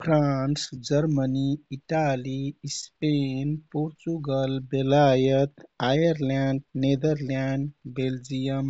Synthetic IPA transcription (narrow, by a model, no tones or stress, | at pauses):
pʰɾansd͡ʒəɾməniiʈalispenpoɾt͡ʃuɡəlbelajət̪ajəɾlaɳɖned̪əɾlaɳɖbeld͡ʒijəm